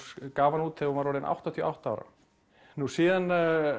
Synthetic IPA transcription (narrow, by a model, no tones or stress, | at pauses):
skaːvanuːt̪θeɔvaɾɔːɾɪnʔa̰wht̪at̪ʰiɔːʔawht̪aaːwɾa̰ | nusiːðan